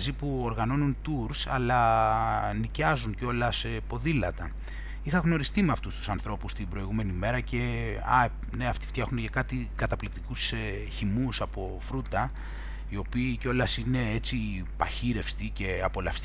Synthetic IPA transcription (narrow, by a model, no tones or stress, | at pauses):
zipuo̞ɾɣɐno̞nunt̪uɾsɐlɐ | nicɐzunco̞lɐsepo̞ðilɐt̪ɐ | ixɐɣno̞ɾist̪imeɐft̪ust̪u̥sɐnθɾo̞pust̪ibɾo̞iɣume̞nime̞ɾɐce̞ɐ̰ | neɐft̪i̥ft̪çɐxunecɐkɐt̪ikɐt̪ɐplikt̪i̥kuse | çimusɐpo̞fɾut̪ɐ | io̞piːceo̞lɐsine̞e̞t͡si | pɐçiɾe̞fst̪ice̞ɐpo̞lɐfst̪